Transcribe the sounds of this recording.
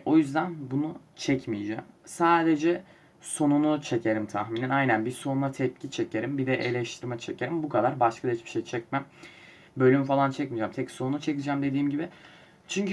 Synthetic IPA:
o̞jyzd̪ænbunut͡ʃʰɛcmijd͡ʒæ̰msaːd̪ed͡ʒɛ | so̞nunut͡ʃʰe̞cʰe̞ɾimt̪ʰaxminɛnajnænbiɾso̞nunˠat̪ʰɛp̚cʰit͡ʃʰe̞ce̞ɾimbid̪ɛʔelʲɛʃt̪ʰiɾmɛt͡ʃʰe̞cʰe̞ɾimbukʰad̪aɾbaʃkʰad̪aɦit͡ʃbiʃejt͡ʃʰɛcmæm | bø̞lʲymyfalˠant͡ʃʰɛcmid͡ʒamt̪ʰɛcso̞nunut͡ʃʰɛcid͡ʒæmd̪e̞d̪iːmɟibɪ | t͡ʃʰyɲcy

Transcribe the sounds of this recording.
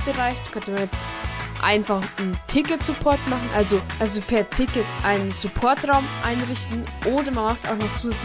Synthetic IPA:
b̥əʁaɪçd̥ḁkʰœntəmanjɛt͡stʔa̰ɪnfaχn̩tʰɪkətsupʰɔɐtmaχn̩ʔalzoʔalzopʰɛɐtʰɪkətʔaɪnənsupʰɔɐtʁaʊmʔa̰ɪnʁɪçtn̩ʔoːdɐmanmaχta̰ʊxnɔχt͡suːz

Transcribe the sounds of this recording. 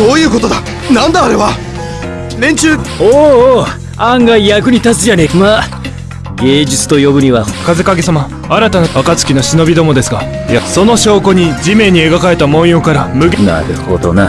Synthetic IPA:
soːjɯ̟ːko̞t̪o̞d̪a | nãnd̪aːɾe̞βa | ɾẽ̞ɲt͡ɕɨːoː | ãŋɡaijakɯ̟ɲ̟it̪at͡sɨjanekɯma | ɡe̞ːd͡ʑit͡sɨ̥t̪o̞jo̞bɯ̟ɲ̟iβakaze̞kaɡe̞sama | aɾat̪anaakat͡sɨ̥kʲinoɕino̞bʲid̪o̞mo̞d̪e̞sɨɡa | jaso̞no̞ɕo̞ːko̞ɲ̟id͡ʑimẽ̞ɲ̟ie̞ɡakae̞t̪amõ̞ɰ̃jo̞ːkaɾamɯ̟ɡna̰ɾɯho̰d̪o̰na

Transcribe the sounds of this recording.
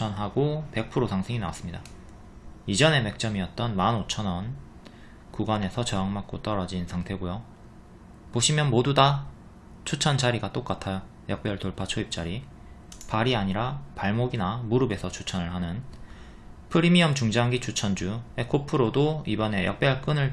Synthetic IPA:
ʌnɦaɡope̞k̚pʰɯɾotaŋsʰeŋina̰wa̰s͈ɯmɲida | id͡ʑʌne̞me̞k̚t͡ɕ͈ʌmiʌt̚t͈ʌnmanot͡ɕʰʌnʌn | kuɡane̞sʰʌt͡ɕʌaŋmak̚k͈ot͈ʌɾʌd͡ʑinsʰaŋtʰe̞ɡojo | poɕʰimjʌnmoduda | t͡ɕʰut͡ɕʰʌnd͡ʑaɾiɡat͈ok͈atʰa | jʌk̚p͈jʌɾɯɭtoɭpʰat͡ɕʰoip̚t͡ɕ͈aɾi | paɾiaɲiɾapaɭmoɡinamuɾɯbe̞sʰʌt͡ɕʰu̥t͡ɕʰʌnɯɭɦanɯn | pʰɯɾimiʌmt͡ɕuŋd͡ʑaŋɡit͡ɕʰut͡ɕʰʌnd͡ʑue̞kʰopʰɯɾodoibʌne̞jʌk̚p͈jʌɭk͈ɯnɯɭ

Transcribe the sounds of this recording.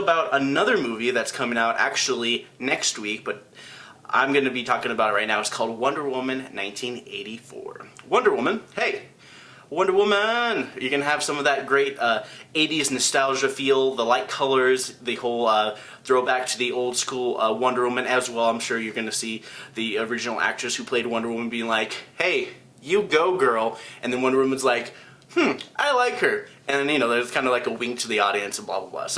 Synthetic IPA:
baʊɾənʌðə˞muviðɨtskʰʌ̃mɪ̃ŋaʊɾʔæ̰k̚t͡ʃul̩ˠinɛkst̚wik̚b̥ʌɾ | ʔã̰ɪ̃mɡʌnɨbitʰɔkɪ̃ŋɨbaʊɾ̚t̚ɹaɪtⁿnaʊətskʰɔlˠd̚wʌ̃ndə˞wʊmɨ̃nːãɪ̃ntʰĩnḛɪɾifɔ̰ɹwʌ̃ndə˞wʊmə̃nheɪ | wʌ̃ndə˞wʊmənjɨɡɨ̃nəv̥sʌ̃mʌvðɨt̚ɡ̥ɹeɪɾʌeɪɾiznɨstælˠʒɨfilˠdðəlaɪt̚kʰʌlˠə˞zðeɪhoʊlˠʌ | θɹoʊbæk̚tʰɨðiʔoʊlˠd̥skulˠʌwʌ̃ndə˞wʊmɨ̃nɨzwɛlˠãɪ̃mʃʊɹjə˞ɡʌnɨsiðiə˞ɪd͡ʒɨnl̩ˠæ̰k̚tɹ̥ɨshʉpʰl̥eɪd̚wʌ̃ndə˞lwʊmə̃n̩biɪ̃ŋlaɪkheɪ | jɨɡoʊɡɜ˞lˠʔɨ̃nðɨ̃nwʌ̃ndə˞wʊmə̃nzlaɪk | mm̩ʔaɪlaɪkhə˞ʔɨ̃nðɨ̃njɨnoʊðə˞z̥kʰãɪ̃nəlaɪkəwɪ̃ŋk̚tʰɨðiɔɾiɨ̃nsʌvblɑ̰bla̰blɑ̰so

